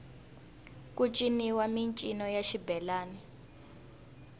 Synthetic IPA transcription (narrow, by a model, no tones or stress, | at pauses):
kut͡ʃʼiniwamint͡ʃʼinɔjaʃibɛlaːni